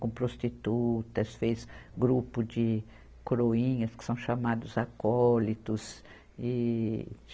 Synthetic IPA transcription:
kõpɾost͡ʃit̪ut̪ɐsfejsɡɾupʊd͡ʒɪ | koɾoĩɲɐskɪ̥sɐ̃w̃ʃamad̪ʊzakɔlit̪ʊs | ɪ

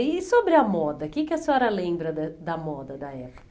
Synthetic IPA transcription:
ɪsobɾɪɐmɔd̪ɐkɪkɪɐseɔɾɐlẽbɾɐd̪ɐd̪ɐmɔd̪ɐd̪ɐɛpo̥k

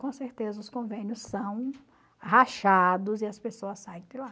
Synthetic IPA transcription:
kõseɾt̪ezɐʊskõvẽnjʊsːɐ̃w̃ | ɦaʃad̪ʊzɪɐspesoɐsːajẽp̪ela

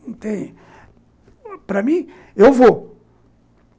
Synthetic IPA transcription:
t̪ẽj̃ | pɾɐmĩ | ewvo

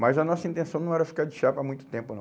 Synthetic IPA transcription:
majzɐnɔsɐĩt̪ẽsɐ̃w̃nɐ̃w̃ɛɾɐfi̥kaɾd͡ʒɪʃaɾpɾɐmũj̃t̪ʊ̥t̪ẽmpʊnɐ̃

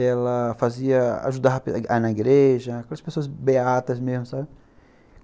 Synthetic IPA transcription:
ɛlɐfaziɐa̰ʒud̪aɐpeanɐiɡɾeʒɐkɛlɐspesoɐzbeat̪ɐzmezmʊsabɪ

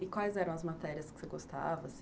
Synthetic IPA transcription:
ɪkwajzɛɾɐ̃w̃ɐzmat̪ɛɾiɐskɪ̥seɡost̪a̰vɐs

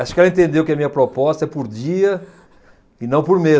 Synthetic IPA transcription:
aʃʊ̥kɛlɐẽt̪ẽnd̪ewkɪɐmĩɲɐpɾopɔst̪ɐɛpʊɾdiɐ | inɐ̃w̃pʊɾme

